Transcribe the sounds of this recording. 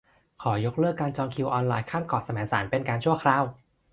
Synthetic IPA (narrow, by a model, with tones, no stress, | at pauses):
kʰɔː˩˦jo˦˥k̚lɯː˥˩kːaː˧nt͡ɕɔː˧ŋkʰi˧wʔɔː˧nlaː˧jkʰaː˥˩mkɔː˨˩t̪̚sa˧mɛː˩˦ŋsaː˩˦npe˧nkaː˧nt͡ɕʰu˥˩əkʰɾaː˧˩w